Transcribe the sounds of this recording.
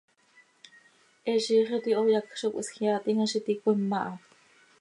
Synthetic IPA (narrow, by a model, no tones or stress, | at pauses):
ʔeʃiχet̪iʔojakʃuksxjat̪iŋaʃit̪ikʷimːaʔa